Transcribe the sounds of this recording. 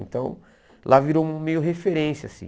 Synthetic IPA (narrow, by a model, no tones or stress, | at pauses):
ẽnt̪ɐ̃w̃ | lʔaviɾowɐmejʊɦefeɾẽsjasḭ̃